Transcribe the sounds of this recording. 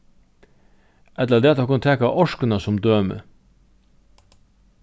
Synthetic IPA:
ʔɛt̪ləɾd̪eːt̪hɑkʰʊnt̪ʰɛːkɑʔɔʂkənɑsɔmd̪øːmə̰

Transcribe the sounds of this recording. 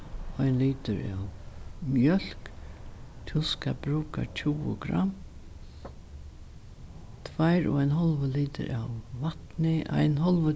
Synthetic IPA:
ɔjnliːt̪ɪɾaːwmjœl̥k | t̪ʰɪskabɾuːka̰t͡ʃʰuwʊ̰ɡɾa̰mː | t̪ʰvajɾʊ̰ajnɦɔlʋəliːt̪ɪ̰ɾaːwvat̪nɪʔa̰jnɦɔlʋə

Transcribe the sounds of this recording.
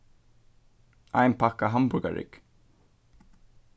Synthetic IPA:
a̰jnpʰakaɦambʊɾka̰ɾɪ̰k

